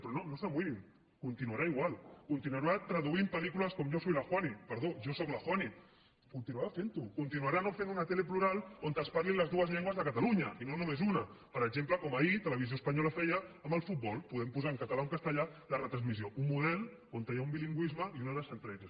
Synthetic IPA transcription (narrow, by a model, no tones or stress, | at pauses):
pɾɔnonosamwiβim | kunt̪inuaɾaiɣ̞walˠkunt̪inuaɾat̪ɾəðuimpəlikuləskɔmʒosɔjlaxwanipəɾð̞oʒosɔklaxwani | kunt̪inuaɾafent̪ukunt̪inuaɾanofenunɐt̪elepluɾalˠont̪əspaɾlinləzðuəzʎeŋɡwɐzðəkət̪aluɲɐinonumezunɐ | pəɾəɡzempləkɔmait̪ələβizjoəspaɲɔlafɛjəːmbəlˠfut̪̚bɔlˠpuðɛmpuzaəŋkət̪alauŋkast̪əʎalərət̪ɾanzmizjoummuðɛlˠ | ont̪ajaumbiliŋɡwizməiunəðəsənt̪ɾɛtes